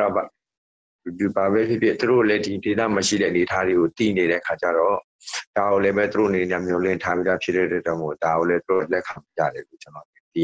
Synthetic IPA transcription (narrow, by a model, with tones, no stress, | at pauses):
ɔ˨a˨ | di˨ba˨βɛ˦pʰjɪ˦˨pʰjɪ˦ʔt̪u˨ɾo̰˦˨lɛ˦di˨de˨t̪ä̰˦˨mə˨ʃḭ˦˨ɾɛ̰˦˨ʔəne˨ətʰa˦ðe˨ɡo˨t̪ḭ˦˨ne˨ɾɛ̰˦ʔəkʰa˨t͡ɕa̰˦˨ɾɔ˦˨ | d̥a˨ɡo˨lɛ˦bɛ˦t̪u˨ɾo˦˨ʔə˨ne˨nɛ˨˦ã̰˦˨m̥jɔ˨l̥ɪ̰̃˦˨ntʰa˦bi˦d̪a˦˨pʰjɪ˦t̪ɛ̰˦˨twɛ̰˦˨d͡ʑɔ̃˦˨mo̰˦˨da˨ɡo˨lɛ˦t̪uɾo̰˦˨lɛ˦kʰã˨m˨ja̰˦˨ɾɛ˨lo̰˦˨t͡ɕə˨nɔ̰˦˨t̪ḭ˦˨ja˨